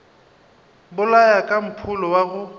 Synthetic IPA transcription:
bʊlajakʼam̩pʰʊlɔwaɣʊ

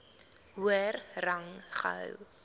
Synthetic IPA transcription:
ɦuərrɐŋχə̰ɦə̰w

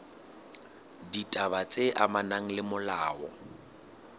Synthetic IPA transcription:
ditʼabat͡sʼeʔamanaŋ̩lɪmʊlaːwɔ

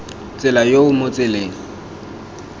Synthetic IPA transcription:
t͡sʼɪlajoʊmot͡sʼɪleːŋ̩

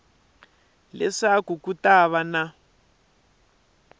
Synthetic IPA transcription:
lɛʂakukutaβana

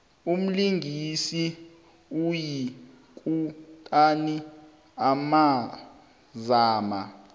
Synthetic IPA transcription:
um̩liŋɡʱisi | uji | kʼutʼani | ama | zaːma

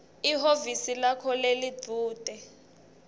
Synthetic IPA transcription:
iɦovisilakʰɔlelidʱuːd̥ʱɛ

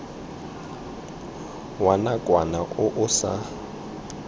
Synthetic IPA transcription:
wanakʼwanaʔʊʔʊsa

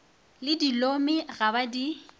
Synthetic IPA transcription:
lɪdilomɪɣabadi

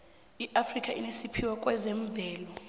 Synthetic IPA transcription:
iʔafrikʼaʔinisipʰiwakʼwɛzɛɱb̪vɛːlɔ

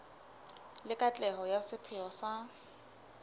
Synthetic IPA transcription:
lɪkʼat͡ɬʼɛhɔjasɪpʰɪɔsa

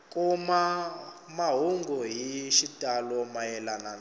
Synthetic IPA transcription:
kʼuma | maɦuŋɡɔɦiʃitʼalɔmajɛlanan

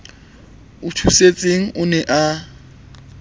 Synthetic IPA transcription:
ʊtʰuset͡sʼeŋ̩ʔʊnɛʔa

